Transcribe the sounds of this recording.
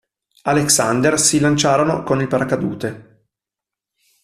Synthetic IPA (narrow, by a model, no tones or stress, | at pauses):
aleksand̪ersilant͡ʃaːɾono̰konilpaɾakad̪ṵːt̪e